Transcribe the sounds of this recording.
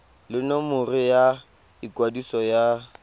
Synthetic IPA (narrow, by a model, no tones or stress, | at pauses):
lɪnomʊrɪja | ikwadisɔja